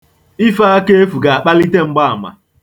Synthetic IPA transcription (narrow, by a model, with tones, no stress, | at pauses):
i˦fa˦a˦ke˦e˦fu˨ɡa˨a˨k͡pa˦li˦te˦ŋ͡m̩˦ɡ͡ba˦a˨ma̰˨